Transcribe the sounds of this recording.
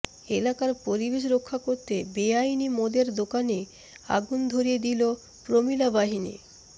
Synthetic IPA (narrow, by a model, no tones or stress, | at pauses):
elakaɾpoɾibeʃ̬ɾokʰːakoɾt̪ebeajnimod̪eɾd̪okane | a̰ɡund̪ʱoɾijed̪ilo | pɾomilabaɦinḭ